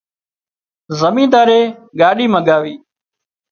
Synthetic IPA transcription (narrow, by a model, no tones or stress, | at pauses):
zəmĩːd̪aːɾeːɠaːɗiːmə̃ɠaːʋiː